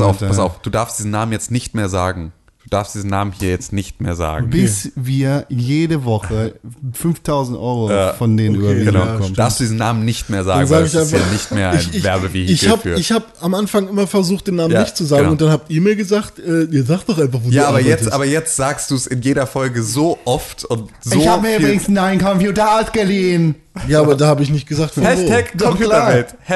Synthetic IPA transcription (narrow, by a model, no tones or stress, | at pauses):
saʊfpʰasa̰ʊfd̥uːdaɐfstd̥iːzn̩naːmənjɛt͡stnɪçtmeːɐzaːɡŋ̩ | d̥uːd̥aɐfstd̥iːzn̩naːmənhiːɐjɛt͡stnɪçtmeːɐza̰ːɡ̩b̥ɪsviːɐjeːdəvɔχəfʏnftʰaʊzn̩tʔɔʏʁofɔndeːnənʔyːbɐviːɡənaʊkɔmd̥aɐfstd̥uːdizn̩nːaːmənɪçtmeːɐza̰ːaːɡnzaaːɡəɪçʔaɪnfanɪçtmeːɐʔaaɪvɛɐbəvihɪçhaːpːɐɪçhaːbamʔanfaŋʔɪmɐfɛɐzuːχt̚d̥eːnːaːmnanɪçtt͡suzaːɡŋʊnt̚d̥anhaːp̚tiːɐmiːɐɡəzaːktʔɛːʔiːɐzaːk̚td̥ɔχʔaɪnfaχvoːjaːaːbɐjɛtʔaːbɐjɛt͡stz̥aːkstd̥uːsɪnjeːɾɐfɔlɡəzoːʔɔftʰʊntz̥oːhaːbəmiɐyːbʁɪɡŋ̩snaɪnkʰɔmfjuːtəalsɡ̥əliːn | jaːaːbɐdaːhaːbəɪç̬nɪçt̚ɡ̥əzaːktfːʰɛkɔjuɛt